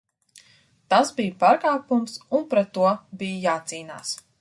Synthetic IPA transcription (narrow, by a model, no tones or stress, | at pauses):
t̪asbijpaːɾkaːpumsunpɾɛt̪ːuɔbijjaːt̪siːna̰ːs